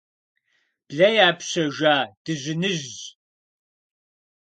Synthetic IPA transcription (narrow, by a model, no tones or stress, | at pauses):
b̥ɮɐjaːpɕɐʒʷaːd̥ɨʑɪnɨʑ